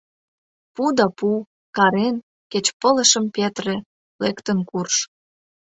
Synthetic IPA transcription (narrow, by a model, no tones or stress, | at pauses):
pud̪ɑpu | kɑɾen | ket͡ɕpələ̆ʃə̆mpet̪re | lekt̪ənkurʃ